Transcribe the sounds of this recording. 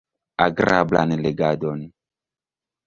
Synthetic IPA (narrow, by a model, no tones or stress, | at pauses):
aɡɾabla̰nleɡadon